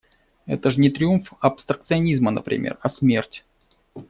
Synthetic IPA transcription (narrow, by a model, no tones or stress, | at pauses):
ɛ̰t̪əʐnʲɪt̪ɾʲɪumfɐpst̪ɾək̚t̪sɨɐnʲizmənə̰pɾʲɪ̰mʲḛrɐsmʲertʲ